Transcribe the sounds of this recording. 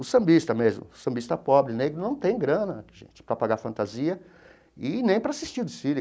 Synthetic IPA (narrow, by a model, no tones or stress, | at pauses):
ʊsɐ̃mbist̪ɐmezmʊ̰ʊsɐ̃bist̪ɐpɔbɾɪneɡɾʊnɐ̃w̃t̪ẽj̃ɡɾɐ̃nɐʒḛ̃t͡ʃɪ̥pɾɐpaɡafɐ̃nt̪aziɐ | ɪnẽj̃pɾɐasist͡ʃiɾd̪ɪsiɾɪ